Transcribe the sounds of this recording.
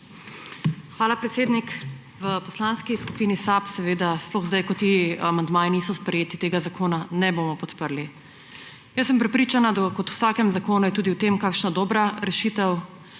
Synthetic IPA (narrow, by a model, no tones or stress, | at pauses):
xʋaːlapɾɛt̪seːd̪nik | ʋəpɔslaːnskisku̥piːnisapsɛʋeːd̪asplɔɣzd̪ajkɔt̪ːiamand̪maːjiniːsɔspɾɛjeːt̪it̪eːɡazakoːnanɛbomɔpɔt̪pəɾli | jəsəmpɾɛpɾiːt͡ʃanad̪akɔt̪wsaːkɛmzakoːnujɛt̪uːd̪iwt̪emkaːkʃnad̪ɔːbɾaɾɛʃiːt̪ɛw